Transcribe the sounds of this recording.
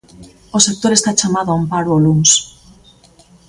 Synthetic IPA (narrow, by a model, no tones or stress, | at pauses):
osek̚t̪oɾest̪at͡ʃamaðoampaɾooluŋs